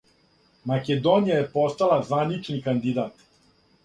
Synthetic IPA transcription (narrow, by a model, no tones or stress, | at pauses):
maked̪onijaje̞po̞st̪alˠazʋanit͡ʂnikand̪id̪aːt̪